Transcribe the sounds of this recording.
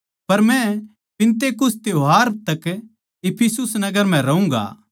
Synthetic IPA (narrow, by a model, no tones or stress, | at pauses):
pɐɾmɛ̃ | pɪ̃nt̪eːkʊst̪eoɦaːɾ̚t̪ɐk | ɪpʰɪsʊsnɐɡəɾm̤ɛ̃ɾɐũŋɡa̰ː